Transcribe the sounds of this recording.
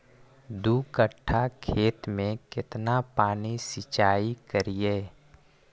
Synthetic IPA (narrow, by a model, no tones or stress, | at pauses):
d̪uːkəʈʰːakʰeːt̪mẽkɪt̪napaːnisɪt͡ʃaːikəɾieː